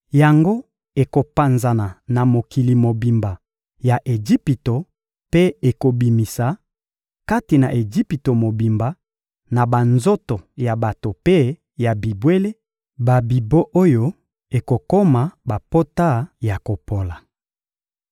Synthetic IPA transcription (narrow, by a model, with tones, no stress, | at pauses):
ja˨ŋɡo˦ | e˨ko˨pa˨nza˨na˨na˨mo˨ki˨li˨mo˨bi˨mba˨ | ja˨ʔe˨d͡ʒi˦pi˨to˨ | pe˦e˨ko˨bi˨mi˨sa˨ | ka˦ti˨na˨ʔe˨d͡ʒi˦pi˨to˨mo˨bi˨mba˨ | na˨ba˨nzo˦to˨ja˨ba˨to˨pe˦ | ja˨bi˨bwe˦le˦ | ba˨bi˨bo˦ʔo˦jo˦ | e˨ko˨ko˦ma˨ba˨po˦ta˦˨ja˨ko˨po˨la˨